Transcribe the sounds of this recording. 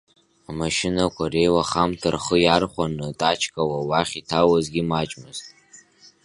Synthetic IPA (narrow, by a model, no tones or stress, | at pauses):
amaʃɪnakʷʰarejwaχamtʰɨrχəjarχʷanɨtʼat͡ʃʰkʼawawaχʲitʰawazɡʲimat͡ʃʼmɨztʼ